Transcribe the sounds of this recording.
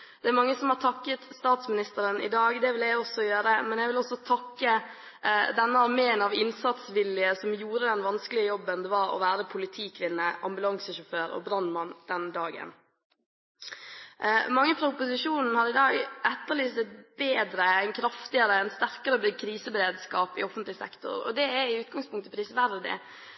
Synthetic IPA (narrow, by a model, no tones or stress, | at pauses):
d̪̥ɛæɾmɑŋːəsɔmhɑːɾtʰɑkːət̪st̪ɑːt̪smɪnɪst̪əɾənɪ̰d̪ɑːɡd̪ɛʋɪljæɔsɔjøːɾəmɛnjæɡʋɪlɔsɔt̪ʰɑkːə | d̪ɛnːəɑʋmeːnɑʋɪnsɑt̪sʋɪljəsɔmjuːɾəd̪ɛnʋɑnskəlɪəjɔbːənd̪ɛʋɑɾɔ̰ʋæːɾəpʰʊlɪt̪ʰiːkʰʋɪnːəʔɑ̰mbʉlɑŋsəʃɔføːɾɔ̰bɾɑnmɑnd̪̥ɛnd̪ɑːɡə̰n | mɑŋːəfɾɑʊpʊsɪʂuːnn̩hɑɾɪd̪ɑːɡʔɛt̪ːəlyːsɛt̪̚beːd̪ɾəɛnkʰɾɑft̪ɪəɾəɛnst̪æɾkəɾəbɪkʰɾiːsəbəɾeːd̪skɑːpɪ̰ɔfənt̪lɪsɛ̰kt̪ʊ̰ɾɔ̰d̪ɛæɾɪʉːt̪̚ɡɑŋspʰʊŋt̪əpʰɾiːsʋæɾd̪ɪ̰